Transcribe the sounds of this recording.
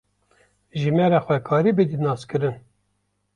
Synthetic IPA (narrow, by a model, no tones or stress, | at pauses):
ʒɨmɛɾɛxʷɛkʰɑːɾiːbɨd̪inɑːskɨɾɨn